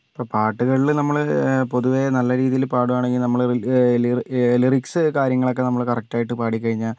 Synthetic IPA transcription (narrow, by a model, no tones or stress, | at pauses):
pːoːpaːʈːuɣɐɭilnɐmːɐɭpo̞ðuʋe̞nɐlːɐɾiːðijilpaːɽumaːɳe̞ŋɡilnɐmːɐɭilieliriksɨkaːɾjɐŋːɐɭo̞kːe̞nɐmːɐɭkɐrɐk̚taːjiʈːɨpaːɽikʲːɐɻiɲːaːl